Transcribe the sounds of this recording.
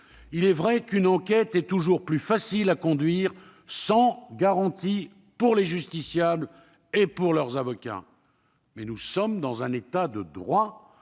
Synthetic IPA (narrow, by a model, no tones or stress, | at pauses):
ilɛvʁɛkynɑ̃kʲɛt̪ɛt̪uʒuʁplyfasilakɔ̃d̪ɥiːʁ | sɑ̃ɡaʁɑ̃t̪i | puʁleʒyst̪isjabl | epuʁlœʁzavɔkʲa̰ | mɛnusɔmd̪ɑ̃zɛ̃net̪ad̪əd̪ʁwa